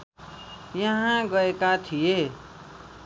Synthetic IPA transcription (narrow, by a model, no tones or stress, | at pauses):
jʌɦãɡʌekat̪ʰije